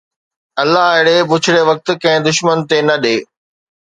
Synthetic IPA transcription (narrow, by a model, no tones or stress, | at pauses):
ɐlːaɦɐɦɽebʊt͡ɕʰɪɽeʋɐk̚t̪ʊ̆kɐ̃ɦɪ̃d̪ʊʃmənt̪enɐɗeː